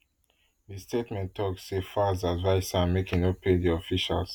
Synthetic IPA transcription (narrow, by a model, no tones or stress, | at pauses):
distʰetmɛ̃ntʰːɔksːefazadvaɪsãnmekĩŋopʰediɔfiʃa̰ls